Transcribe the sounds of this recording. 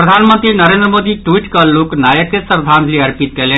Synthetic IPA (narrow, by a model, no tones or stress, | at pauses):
pɾəd̪ʱanmənt̪ɾinəɾẽnd̪ɾəmod̪iʈwiʈkəloknajəkesəɾd̪ʱãnd̪liəɾpit̪̚kele